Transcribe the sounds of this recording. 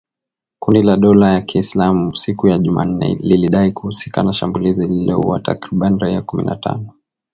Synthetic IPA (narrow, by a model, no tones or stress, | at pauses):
kundilaɗɔlajakʰiːslamusikujaʄuma̰n̩ɛ̰liliɗaikuhusi̥ka̰naʃambulizililɔ̰hṵwata̰kɾiɓaniɾaiakumḭnʔa̰ta̰nɔ